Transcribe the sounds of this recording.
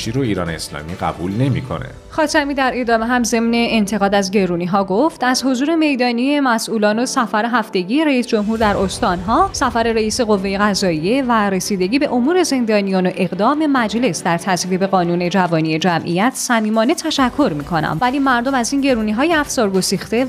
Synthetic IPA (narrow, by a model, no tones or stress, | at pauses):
ʃʰiɾoiːɾɒ̰ːneeslɒ̰ːmiɡæ̰bṵlne̞mḭkʰo̞̰nḛ | xɒːt̪ʰæmiːd̪æɾe̞d̪ɒːmeɦæmze̞mne̞ːnt̪ʰe̞ɣɒːd̪æzɟe̞ɾuːniɦɒːɡo̞ft̪æzho̞zuːɾe̞me̞jd̪ɒːnije̞mæsʔuːlɒːno̞sæfæɾeɦæft̪e̞ɡijeɾæisd͡ʒo̞mɦuːɾd̪æɾʔo̞st̪ɒːnɦɒːsæfæɾe̞ɾeiːse̞ɣo̞vːe̞je̞ɣæzɒːije̞væɾe̞siːd̪e̞ɟiːbe̞ʔomuːɾe̞ze̞nd̪ɒːnijɒːnoʔe̞ɣd̪ɒːme̞mæd͡ʒle̞sd̪æɾt̪ʰæzvibe̞ɣɒːnuːne̞d͡ʒævɒːnije̞d͡ʒæmʔḭjæt̪ʰsæmiːmɒːne̞t̪ʰæʃækʰːo̞ɾmiːkʰo̞næ̰mvæliːmæɾd̪o̞mæziːnɟe̞ɾuːniɦɒːjeæfsɒːɾɡosiːxt̪e̞